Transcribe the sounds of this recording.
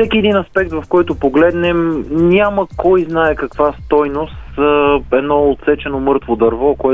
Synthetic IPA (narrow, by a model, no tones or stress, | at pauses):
sɛkiɛd̪inɐspɛk̚t̪vɐfkɔjt̪opoɡlɛd̪nɛmnʲaməkɔjznaɛkɐkvast̪ɔjnost̪əɛd̪nɔot̪sɛt͡ʃɛnomɤɾt̪vod̪ɐɾvɔkoɛ